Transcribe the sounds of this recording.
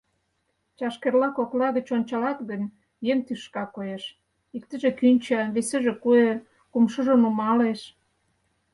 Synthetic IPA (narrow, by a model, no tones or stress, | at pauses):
t͡ɕɑʃkerlɑkoklɑɣət͡ɕonʲt͡ɕɑlɑt̪ɣənʲ | jeŋt̪yʃkɑkojeʃ | ikt̪ə̆ʒĕkynʲt͡ɕɑβesəʒĕkue | kumʃəʒonumɑleʃ